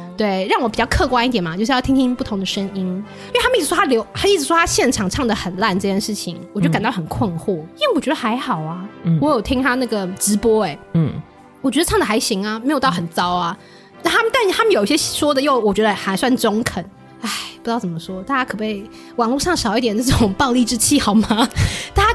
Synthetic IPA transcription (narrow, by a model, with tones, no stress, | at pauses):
t̪we˥˩ɪɻɑ˥˩ŋwɔ˧˥pi˨t͡ɕɑ˥˧ʊkʰɤ˥˧kwa˥ni˥t̪jɛ˨˩nmɐ˦t͡ɕjo˥˧ʂ̩˥jt̪ʰi˥t̪ʰĩ˥pu˥˩t̪ʰʊ˧˥ŋd̪ə˨ʂə˥ŋi˥n | i˥˩a˥m˧i˥˩ɻ̩˧˩wɔ˥a˥ljo˧˥ʊa˥i˥˩ʈ͡ʂɻ̩˧˩ʂwɔ˥t̪ʰa˥ɕjɛ˥˩nʈ͡ʂʰɑ˨˩ŋʈ͡ʂʰɑ˥˩ŋd̪ə˩xə˨˩nla˥˩˧nʈ͡ʂɤ˥˧t͡ɕʰjɛ˥˧ʂɻ̩˥˩t͡ɕʰi˨˩ŋwt͡ɕo˥˩ka˨˩nt̪ɑ˥˩ʊxə˨˩nkʰwə˥˧nxu˥˩i˥we˥˩wɔ˨t͡ɕɥɛ˧˥ə˧˩xa˧˥ɪxɑ˨˩ʊɐ˦wɔ˧˥jo˨˩ʊt̪ʰi˥ŋt̪ʰa˥na˥˩ɡə˩ʈ͡ʂɻ̩˧˥pwɔ˥e˨˩ | wɔ˨˩t͡ɕɥɛ˧˥d̪ʈ͡ʂʰɑ˥˩ŋd̪ə˩xa˧˥ɪɕi˧˥ŋa˧me˧˥ɪjo˨˩t̪ʊxə˨˩nt͡sɑ˥ʊa˨ | a˥˩t̪ʰa˥mə˨nt̪a˥˩nʰ˧a˥mə˨njo˨˩ʊi˥˩ɕjɛ˥ɕʂwɔ˥d̪ə˨jo˥˩ʊwɔ˨˩t͡ɕɥɛ˧˥d̪ə˧xa˧˥ɪswa˥˩nʈ͡ʂʊ˥ŋkʰə˨˩˦n | a˥˩ɪpu˧˥t̪ɑ˥˩ʊt͡sə˨˩mə˦ʂwɔ˥t̪a˥˧t͡ɕa˥kʰɤ˨˩pe˥˩ɪ | wɑ˨˩ŋlu˥˧ʂɑ˥˩ŋʂɑ˨˩ʊi˥˩t̪jɛ˨˩˦nə˥˩ʈ͡ʂʊʊ˨˩˦ŋpɑ˥˧ʊli˥˩ʈ͡ʂɻ̩˥t͡ɕʰi˥˩xɑ˨˩ʊma˦t̪a˥˧˩t͡ɕa˥